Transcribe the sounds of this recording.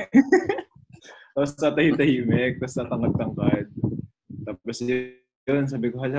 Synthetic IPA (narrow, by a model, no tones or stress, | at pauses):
osɐt̪ɐhit̪ɐhiːmɛk̚t̪ɐsɐt̪ɐŋɐd̪̚t̪ɐŋkad̪̚ | t̪aːposj | onsaːbɪkoɦaa